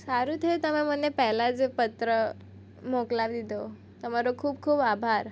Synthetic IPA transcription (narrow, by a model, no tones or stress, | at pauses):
saɾuːt̪ʰet̪əmem̤ənːepɛɦlad͡zpət̪ɾə | moklaʋd̪it̪o | t̪əmaɾokʰuːbkʰuːbabʱaɾ